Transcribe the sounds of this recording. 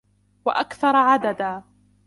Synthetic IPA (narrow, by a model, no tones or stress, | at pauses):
waʔakθɑɾˤʕad̪ad̪aː